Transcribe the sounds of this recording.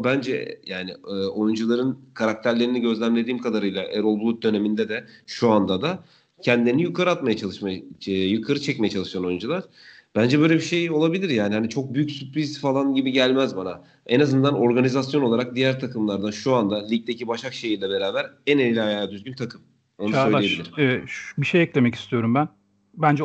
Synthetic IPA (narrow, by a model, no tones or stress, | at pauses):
bænd͡ʒɛjaːnɪːo̞jund͡ʒulˠaɾɯnkʰaɾak̚t̪ʰæɾlʲe̞ɾiniɟø̞zlʲænlʲed̪iːmkʰad̪aɾɯjlˠaʔeɾolˠbulˠut̪̚d̪ø̞ne̞mind̪ɛd̪ɛʃuand̪ad̪a | cʰɛnd̪lʲeɾnijukʰaɾɯat̪majat͡ʃʰalˠɯʃmajjukʰaɾɯt͡ʃʰɛcmejɛt͡ʃʰalˠɯʃjano̞jund͡ʒulˠaɾ̥ | b̥ænd͡ʒɛbø̞jlʲebiʃe̞jo̞lˠabilʲiɾjaːnihanit͡ʃʰo̞k̚byjycsyplizt̪falˠanɟibiɟælʲmæzbana | enazɯnd̪ano̞ɾɡanizasjo̞no̞lˠaɾak̚d̪ijæɾt̪ʰakʰɯmlˠaɾd̪aʃuand̪alʲic̚t̪ːecibaʃakʃejilʲɛbe̞ɾaːbæɾænenilʲajaːjd̪yzɡʲynt̪ʰakʰɯm | o̞nusølijeilʲiɾbiʃejɛclemɛci̥st̪ʰijo̞ɾumbæn | bænd͡ʒɛ